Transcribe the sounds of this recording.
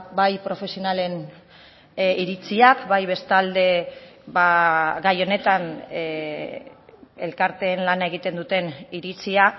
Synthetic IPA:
bajpɾo̞fe̞sio̞nale̞n | iɾit͡siakbajβe̞st̪ald̪e̞baɡajo̞ne̞t̪an | ḛlkaɾt̪e̞ːnlanae̞ɣ̞it̪e̞nd̪ut̪e̞niɾit͡siak

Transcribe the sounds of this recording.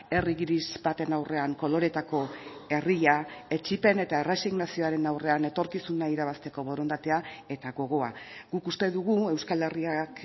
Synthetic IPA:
e̞riɣiɾizbat̪e̞nawre̞aŋko̞lo̞ɾe̞t̪ako̞e̞riʎae̞t͡ʃipe̞ne̞t̪aere̞siɣnasio̞aɾe̞nawre̞ane̞t̪o̞ɾkisunaiɾaβast̪e̞ko̞βo̞ɾo̞nd̪at̪e̞ae̞t̪aɣo̞ɣ̞o̞a̰ɡ̥ukust̪e̞ðuɣ̞ue̞wskale̞riak

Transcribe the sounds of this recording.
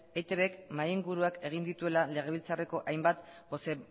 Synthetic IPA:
ejt̪eβekmajeŋɡuɾuake̞ɣ̞ind̪it̪ue̞lale̞ɣ̞e̞β̞ilt͡sare̞ko̞ʔajmbat̪bo̞se

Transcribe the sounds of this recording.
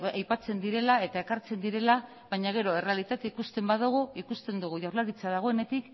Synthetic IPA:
ajpat͡se̞nd̪iɾe̞lae̞t̪ae̞kaɾt͡se̞nd̪iɾe̞la | βaɲaɣ̞e̞ɾo̞e̞re̞alit̪at̪eikust̪e̞mbaðuɣ̞uikust̪e̞nd̪uɣ̞uʝawɾlaɾit͡sað̞aɣ̞o̞e̞ne̞t̪ik

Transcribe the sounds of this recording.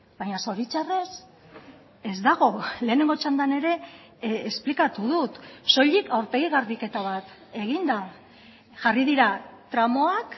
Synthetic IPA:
baɲaso̞ɾit͡ʃare̞s | e̞zd̪aɣ̞o̞le̞ːne̞ŋɡo̞t͡ʃand̪ane̞ɾe̞ː | splikat̪uð̞ut̪so̞ʎikawɾp̪e̞ɣ̞iɣ̞aɾβike̞t̪aβ̞at̪ | e̞ɣ̞ind̪a | ʝariðiɾat̪ɾamo̞ak

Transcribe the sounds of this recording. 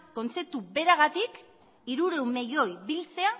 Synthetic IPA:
ko̞nt͡se̞t̪ube̞ɾaɣ̞at̪ik | iɾuɾe̞wme̞jo̞jbilt͡se̞a

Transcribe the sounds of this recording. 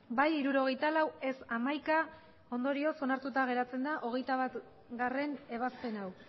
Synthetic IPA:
bajiɾuɾo̞ɣ̞e̞jt̪alawe̞samajka | o̞nd̪o̞ɾio̞so̞naɾt̪ut̪aɣ̞e̞ɾat͡se̞nd̪aʔo̞ɣ̞e̞jt̪aβat̪ | ɡare̞ne̞β̞aspe̞naw

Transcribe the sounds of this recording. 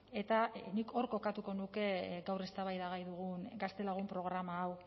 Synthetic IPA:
e̞t̪anikʰo̞ɾko̞kat̪uko̞nuke̞ɡawre̞st̪aβajðaɣajðuɣ̞unɡast̪e̞laɣ̞umpɾo̞ɣ̞ɾamaːw

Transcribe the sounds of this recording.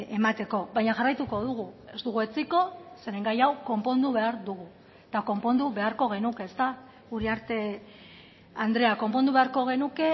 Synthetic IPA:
emat̪e̞ko̞βajɲaʝarajt̪uko̞ðuɣ̞ue̞zt̪uɣ̞ue̞t͡siko̞se̞ɾeŋɡajawko̞mpo̞nd̪uβe̞aɾðuɣ̞u | t̪ako̞mpo̞nd̪uβe̞aɾko̞ɣ̞e̞nuke̞ːst̪a | uɾiaɾt̪e̞ | and̪ɾe̞ako̞mpo̞nd̪uβe̞aɾko̞ɣ̞e̞nuke̞

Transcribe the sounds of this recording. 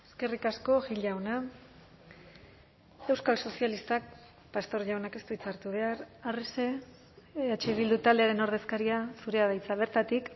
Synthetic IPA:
e̞ske̞rikasko̞ʝiʎawna | e̞wskalso̞sialist̪ak̚ | past̪o̞ɾʝawnake̞st̪uit͡saɾt̪uβe̞aɾarese̞ | at͡ʃeβ̞ild̪ut̪ald̪e̞aɾe̞no̞ɾð̞e̞skaɾiasuɾe̞aðajt͡saβ̞e̞ɾt̪at̪ik

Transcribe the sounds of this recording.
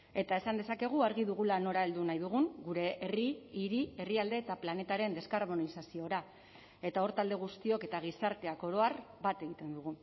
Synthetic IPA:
e̞t̪ae̞sand̪esake̞ɣ̞uaɾɣ̞iðuɣ̞ulano̞ɾae̞ld̪unajðuɣ̞uŋɡuɾe̞ʔeriːɾie̞riald̪e̞ːt̪aplane̞t̪aɾe̞nd̪e̞skaɾβo̞nisasio̞ɾa | e̞t̪ao̞ɾt̪ald̪e̞ɣ̞ust̪io̞ke̞t̪aɣ̞isaɾt̪e̞ako̞ɾo̞aɾbat̪e̞ɣ̞it̪e̞nd̪uɣ̞u

